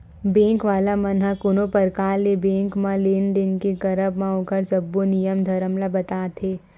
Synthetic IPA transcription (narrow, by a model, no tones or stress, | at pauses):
bẽːŋkʋaːlamɐnɦakʊnopɐɾkaːlːebẽːŋkmãlend̪ɪnkekɐɾəbmãõkəɾsɐbːonijəmd̪ʱɐɾəmlabɐt̪aːt̪ʰeː